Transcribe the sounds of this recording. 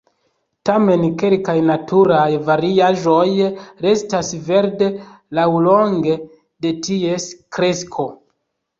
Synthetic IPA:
tame̞nke̞lkajnatʰuɾajvaɾiaʒo̞jɾe̞stasve̞ɾde̞ | lawlo̞ŋɡe̞ | de̞tie̞skɾe̞skʰo̞

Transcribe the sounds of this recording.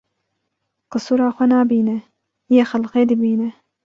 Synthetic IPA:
qɨsuːɾaːxʷɛnaːbiːnɛ | jeːxɐlqeːd̪ibiːnɛ

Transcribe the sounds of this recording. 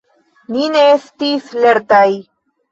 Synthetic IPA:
nineest̪isleɾt̪aj

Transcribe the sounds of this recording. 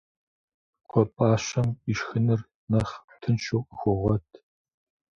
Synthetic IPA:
qʷɔpʼaːɕɐmiʃxɨnɨr | nɐχtʰɨnʃowqʼəxʷɔʁʷɔtʰ

